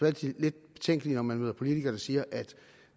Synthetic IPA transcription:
ʋæ̥ile̝d̥̚b̥e̝t͡sʰeŋ̰ɡəlinɒmænʋeð̰ˠɐpʰo̝lit͡sʰiɡ̥ɐd̥ɑsiːɐʔæd̥

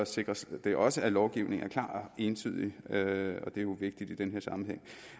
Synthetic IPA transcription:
ɒse̝ɡ̥ʁɐsd̥e̝ɒ̽səælɒʊɡ̥iʊne̝ŋ̩æɐkʰlɑ̰̥̈ːe̝ːnt͡sʰy̰ːð̞̰ˠiøɒ̽d̥e̝jo̝ʋe̝ɡ̥̚d̥id̥id̥enɦeɐ̰sɑ̈m̩heŋ̰

